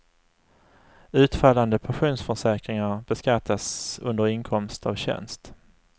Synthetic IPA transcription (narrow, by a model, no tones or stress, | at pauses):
ʉ̟ːt̪falːand̪əpʰaɧuːnsfœʂɛːkɾɪŋaɾb̥ɛskat̪ʰːasɵ̰nd̪əɾɪŋkʰɔmst̪ʰa̰vɕɛ̰nst̪